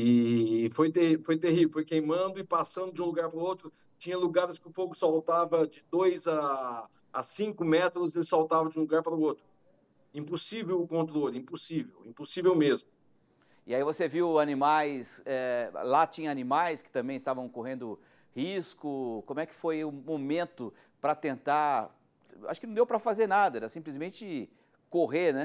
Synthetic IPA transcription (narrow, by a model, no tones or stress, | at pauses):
ɪfojt̪eifojt̪̬ehivewfojkejmɐ̃d̪ʊɪpasɐ̃nd̪ʊd͡ʒiũluɡaɾpaɾʊowt̪ɾʊ | t͡ʃĩɲɐluɡaɾɪskɪʊfoɡʊsawt̪avɐd͡ʒɪd̪ojzaː | sĩkʊmɛt̪ɾʊzelɪsawt̪avɐd͡ʒɪũluɡaɾpaɾʊot̪ɾʊ | ĩposivewʊkõnt̪ɾolɪĩposivewĩposivewmezmʊ | ɪaivoseviwanĩmajsɛlat͡ʃĩɲɐanĩmajskɪ̥t̪ɐ̃mbẽj̃ɪst̪avɐ̃w̃koɦẽnd̪ʊ | hiskʊkõmʊɛkɪ̥fojʊmomẽnt̪ʊ | pɾɐt̪ẽnt̪a | ʔa̰ʃʊkɪnɐ̃d̪ewpɾɐfazeɾnad̪ɐɛɾɐsĩplɪzmẽnt͡ʃɪ | koɦenɛ